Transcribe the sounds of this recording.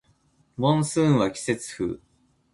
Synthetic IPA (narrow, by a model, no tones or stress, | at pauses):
mõɰ̃sɨ̃ːɰ̃βakʲi̥se̞t͡sɨ̥ɸɯ̰ː